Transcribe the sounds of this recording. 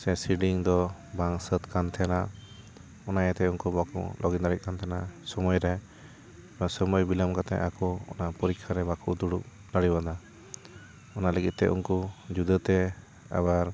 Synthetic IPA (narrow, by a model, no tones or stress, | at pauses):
sɛsiɖiŋd̪ɔbaŋsət̪kant̪ʰɛnaʔ | ɔnajat̪ɛunkubakṵlʔɔɡid̪aɾit̪̚kant̪ʰɛnasɔmɔjɾɛ | asɔmɔjbilamkat̪ɛ̰ʔakɔɔ̰napɔɾikʰːaɾɛbakuʔd̪uɽuʔ | naɽibad̪a | ɔnaləɡit̪̚t̪ɛ̰ʔṵnkud͡ʒud̪ət̪ɛ | a̰baɾ